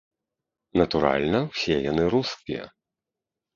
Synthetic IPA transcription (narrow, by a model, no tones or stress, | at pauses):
nɐt̪uɾa̰lʲnɐwsʲɛjanɨɾuskʲijɐ̰